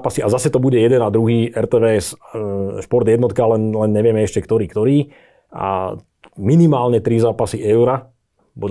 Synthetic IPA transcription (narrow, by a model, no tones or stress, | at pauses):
pasiazasɛt̪ɔbuɟɛjɛd̪ɛnad̪ɾuɦiːʔɛɾt̪ɛːʋɛːɛs | ʃpɔɾd̪jɛd̪nɔt̪kalɛnlɛnɲɛʋɪɛmɛɛʃcɛkt̪ɔɾiːkt̪ɔɾiː | a̰ | minimaːlɲɛt̪ɾizaːpasiʔɛʊɾa | bud̪